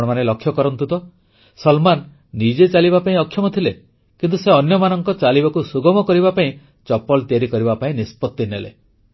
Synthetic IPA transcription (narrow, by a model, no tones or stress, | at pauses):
ɽɔmanelɔkʰːjɔkɔɾɔnt̪ut̪ɔ | sɔlmanː | id͡ʒet͡ʃalibapaĩɔkʰːjɔmɔt̪ʰile | kint̪useɔnjɔmanɔŋkɔt͡ʃalibakusuɡɔmɔkɔɾibapaĩ | t͡ʃɔpɔlt̪iaɾikɔɾibapaĩnispɔt̪ːinelḛ